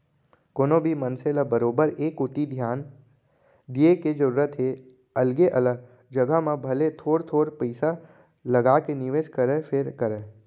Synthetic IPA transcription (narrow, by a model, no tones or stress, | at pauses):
koːnõbʱimənselabəɾoːbəɾeːkʊt̪id̪ʱjaːn | d̪ieked͡ʒəɾuːɾət̪ɦe | əlɡeʔələɡ̚ | d͡ʒəɡamãbʱəlet̪ʰoːɾt̪ʰoːɾpəɪsa | ləɡakenɪʋeːʃkəɾepʰeɾkəɾeː